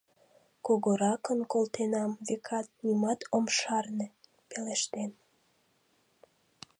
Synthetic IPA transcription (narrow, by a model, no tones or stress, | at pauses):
koɣoɾɑkənkolt̪enɑmvekʰɑt̪̚nimɑt̪omʃɑrne | peleʃt̪en